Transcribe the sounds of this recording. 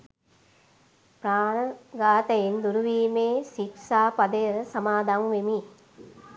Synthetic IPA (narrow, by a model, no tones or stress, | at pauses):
praːɳəɡaːt̪ɐjind̪uɾuʋiːmeːsiksaːpɐd̪əjəsɐmaːd̪ʱamʋemi